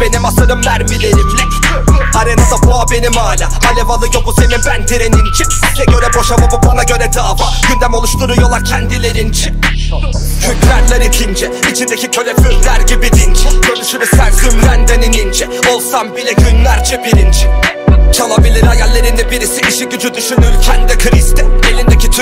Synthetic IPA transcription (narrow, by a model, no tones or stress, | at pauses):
b̥e̞nimasɯnɯmːæɾmilʲeɾim | haɾenazaboabe̞nimaːlʲahalʲɛvalˠɯjobuse̞ninbænd̪ʰeɾenint͡ʃʰi | ɛɟøɾɛbo̞ʃamabubanaɟø̞ɾɛd̪aːvaɟ̥ynd̪æmo̞lˠuʃt̪uɾujolˠacʰɛnd̪ilʲeɾint͡ʃʰi | d͡ʒʰyk̪læɾlʲæɾit̪ʰind͡ʒɛit͡ʃʰind̪ecʰicʰø̞lʲɛfymlæɾɟibid̪int͡ʃʰɛɟønyʃymysænfymɾænd̪ɛninind͡ʒɛo̞lˠsambilʲɛɟynlʲæɾd͡ʒʰɛbiɾind͡ʒɛt͡ʃʰalˠabilʲiɾajalʲːeɾind̪ɛbiɾisiʔiʃiɟyd͡ʒyd̪yʃynylʲcʰɛnd̪ɛkʰɯɾist̪ɛelʲind̪ecʰit̪ʰ